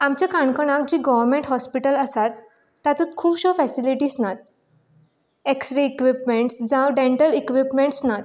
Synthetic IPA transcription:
amt͡ɕakaɳkəɽ̃ãk̚d͡ʑiːɡɔʋəɾmẽɳʈɦɔspiʈələsat̪ː | at̪ut̪̚kʰuːpɕɔfɛsiliʈiːsnat̪̚ | eksʈɾeikʋipmeɳʈsd͡zãwɖeɳʈəlikʋipmeɳʈsnat̪

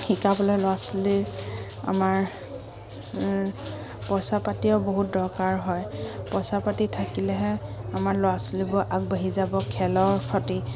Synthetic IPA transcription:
xikapɔlalʊwasli | a̰maɹ | pɔsapatiɔboɦut̚dɔɹkaɹɦɔjpɔsapatitʰakilɛɦɛamaɹlowasulibʊɹʔaɡ̚baɦizabɔkʰɛlɔɹkʰɔti

